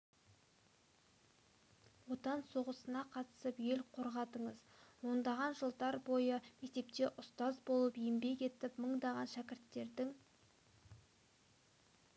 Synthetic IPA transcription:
wo̞t̪ɑnso̞ʁəsənɑqʰɑt̪ə̥səpje̞lqʰo̞ɾʁɑt̪əɴəzwo̞nd̪ɑʁɑnʒəlˠd̪ɑɾbo̞jəme̞k̚t̪e̞p̚t̪e̞ʔʊst̪ɑzbo̞lˠəpijɪmbe̞kʲe̞t̪ɪpməɴd̪ɑʁɑnʃækʲɪɾt̪ːe̞ɾd̪ɪŋ

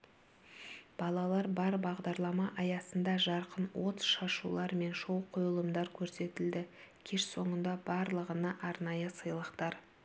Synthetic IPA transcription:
b̥ɑlˠɑlˠɑɾbɑɾbɑʁd̪ɑɾlˠɑmɑʔɑjɑsənd̪ɑʒɑɾqənwo̞t̪ʃɑʃṵlˠɑɾme̞nʃo̞w̪ˠqʰojəlˠəmd̪ɑɾkʲʰɵɾse̞t̪ɪld̪ɪkʲʰe̞ʃso̞ɴənd̪ɑbɑɾlˠəʁənɑʔɑɾnɑjəsəjlˠəqt̪ɑɾ

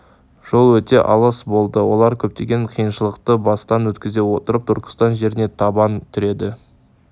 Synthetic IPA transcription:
ʒ̥o̞lˠwɵt̪e̞ʔɑ̰lˠəsbo̞lˠd̪əwo̞̰lˠɑɾkʲʰɵp̚t̪e̞ɡʲe̞ɴqʰijənʃəlˠəqt̪əbɑst̪ɑnwɵt̪kʲɪze̞wot̪əɾəp̚t̪ʰʏɾkə̥st̪ɑnʒe̞ɾɪne̞t̪ʰɑbɑnt̪ʰʏɾe̞d̪ɪ

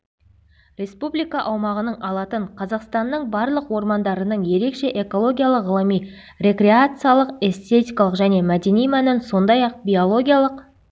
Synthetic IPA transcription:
rʲe̞spublʲijkɑʔɑwmɑʁənəɴʔɑlˠɑt̪əɴqʰɑzɑqst̪ɑnːəɴbɑɾlˠəqwo̞ɾmɑnd̪ɑɾənəɴje̞ɾe̞kʃe̞ʔe̞ko̞lˠo̞ɡʲijalˠəqʁəlˠəmij | rʲe̞kɾʲe̞at̪sɨjalˠəqe̞st̪e̞t̪ʲijkɑlˠəqʒæne̞mæd̪e̞nijmænɪnso̞nd̪ɑjɑq̚bʲijo̞lˠo̞ɡʲijalˠəq

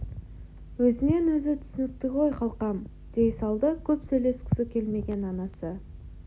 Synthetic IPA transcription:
wɵzɪne̞nwɵzɪt̪ʰʏ̥sɪnɪk̚t̪ɪʁo̞jqʰɑlˠqɑm | d̪̥e̞jsɑlˠd̪əkʲʰɵpsɵjle̞skʲʰɪ̥sɪkʲʰe̞lme̞ɡʲe̞nɑnɑsə

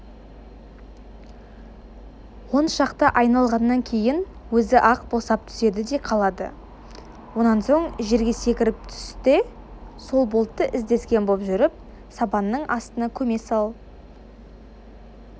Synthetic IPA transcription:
wo̞nʃɑqt̪ɑʔɑjnɑlˠʁɑnːɑŋkʲʰe̞jɪn | wɵzɪʔɑqbo̞sɑp̚t̪ʰʏ̥se̞d̪ɪd̪e̞qʰɑlˠɑd̪ə̰ | wo̞nɑnso̞ɴʒe̞ɾɡʲe̞se̞kʲɪɾɪp̚t̪ʰʏ̥st̪ɪ | so̞lˠbo̞lˠt̪ːəʔɪzd̪e̞skʲe̞nbopʒʏɾɪp̚ | sɑpɑnːəɴʔɑst̪ənɑkʲʰɵme̞sɑlˠ

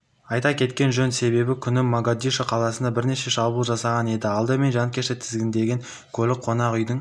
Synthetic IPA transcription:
ɑjt̪ɑkʲʰe̞t̪kʲe̞nʒɵnse̞βe̞bɪkʲʰʏnɪmːaɡad̪iʃəqʰɑlˠɑsənd̪ɑbɪɾne̞ʃe̞ʃɑbulˠʒɑsɑʁɑne̞d̪ɪɑlˠd̪əme̞nʒɑnkʲʰe̞ʃɪt̪ʰɪzɡʲɪnd̪e̞ɡʲeŋ | kʲʰɵlɪk̚qʰo̞nɑqʏjd̪əŋ

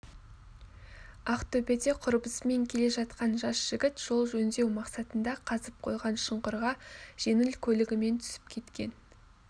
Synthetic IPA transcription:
ɑqt̪ʰɵpe̞d̪e̞qʰʊɾbəsme̞ŋkʲʰe̞le̞ʒɑt̪qɑnʒɑsʒ̥ɪɡʲɪt̪ʒ̥o̞lˠʒɵnd̪e̞wmɑqsɑt̪ənd̪ɑqʰɑzəp̚qʰo̞̰jʁɑnʃəɴqʊɾʁɑʒ̥e̞nɪlkʲʰɵlɪɡʲɪme̞nt̪ʰʏ̥sɪ̥p̚kʲʰe̞t̪kʲe̞n

